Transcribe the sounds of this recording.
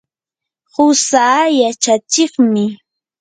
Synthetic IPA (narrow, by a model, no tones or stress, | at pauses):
hʊsajat͡ʃat͡ʃɪχmɪ